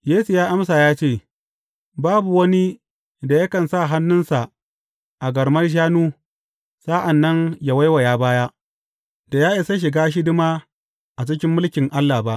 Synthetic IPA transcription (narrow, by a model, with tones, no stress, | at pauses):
jeː˦su˨jaː˦ʔa˦msaː˨jaː˦t͡ʃeː˦˨ | baː˦bu˨wɐ˦ni˦ | da˨jɐ˦kɐ˨nsa˦˨ɦa˦nːʊ˦nsa˨ | ʔa˨ɡɐ˨ɾmɐ˦rʃ̬aː˦nuː˦ | sa˦ʔa˨nːɐ˦ŋja˨wa˦jwa˨jaː˦baː˦jaː˦ʔ | da˨jaː˦ʔɪ˦˨sa˦ʃ̬ɪ˨ɡaː˦ʃ̬i˦dʊ˦maː˦ | ʔa˨t͡ʃɪ˦kʲɪ˦mːʊ˦lkʲɪ˨ŋʔa˦lːa˨ba˦ʔ